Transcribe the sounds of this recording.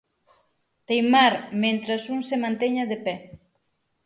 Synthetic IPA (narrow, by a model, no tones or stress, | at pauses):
t̪ejmaɾmẽnt̪ɾasuŋsemãnt̪eɲaðepɛ